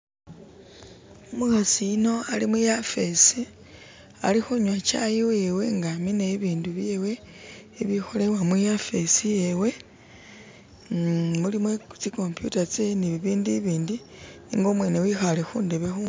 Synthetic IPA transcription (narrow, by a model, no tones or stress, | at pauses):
omuxasiino̞alimujafe̞si | a̰lixuɲwat͡ʃajiwewe̞ŋɡamineːβiːnduβjewe̞ː | βixo̞le̞wamujafe̞sije̞we̞ | mulimwet͡siko̞mpjṵtat͡seniβiβiːndiβiːndinḭːŋɡo̞mwe̞ːne̞wixalexuːndeβexu